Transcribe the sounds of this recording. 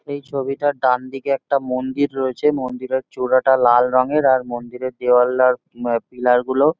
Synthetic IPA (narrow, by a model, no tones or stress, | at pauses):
ejt͡ɕʰoβiʈaɖand̪ikeɛk̚ʈamond̪iɾːoet͡ɕʰemond̪iɾeɾt͡ɕuɾaʈalalɾɔŋeɾaɾmond̪iɾeɾd̪eoalːaɾ | pilaɾɡulo